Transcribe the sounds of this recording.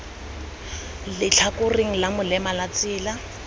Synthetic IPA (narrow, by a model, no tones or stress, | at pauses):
lɪt͡ɬʰakʊriŋ̩lamʊlɛmalat͡sɪːla